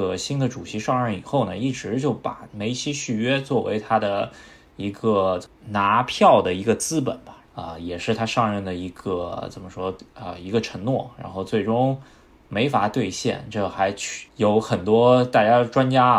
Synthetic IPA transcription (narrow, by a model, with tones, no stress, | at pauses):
ə˩ɕi˥nd̪ə˨ʈ͡ʂu˨˩ɕi˧˥ʂɑ˥˧ŋɻə˥˩ni˨˩xo˥˩ʊnə˩i˥˩ʈ͡ʂɻ̩˧˥t͡ɕjo˥˩ʊpa̰˨˩me˧˥ɪt͡ɕʰi˥ɕy˥˩ɥɛ˥t͡swɔ˥˩wḛ˧˥ɪt̪ʰa˥d̪ə˨˩ | i˧˥ɡə˧na˧˥pʰjɑ˥˩ʊd̪ə˩i˧˥ɡə˧t͡sɹ̩˥pə˨˩˦nbɐ˦ə̰˧jɛ˨˩ʂɻ̩˥˩t̪ʰa˥ʂɑ˥˧ŋɻə˥˩nd̪ə˩i˧˥ɡ̥ə˧t͡sə˨˩nmə˦ʂwɔ˥ə̰˧i˧˥ɡə˧ʈ͡ʂʰə˧˥ŋnwɔ˥˩ɻa̰˧˥nxo˥˧ʊt͡swe˥˩ɪʈ͡ʂʊ˥ŋ | me˧˥ɪfa˨˩t̪we˥˧ɪɕjɛ̰˥˧˩nʈ͡ʂɤ˥˩xa˧˥ɪt͡ɕʰy̥˥˩jo˧˥ʊxə˨˩nt̪wɔ˥t̪a˥˧t͡ɕja˥ʈ͡ʂwa˥nt͡ɕja˥